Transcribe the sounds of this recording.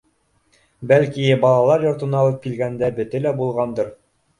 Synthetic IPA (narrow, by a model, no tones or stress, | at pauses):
bælkibɑlˠɑlˠɑɾjŏɾt̪ɤ̆nɑːlˠɤp̚kilɡænd̪æbɵ̆t̪ɘlæbulˠʁɑnd̪ɤɾ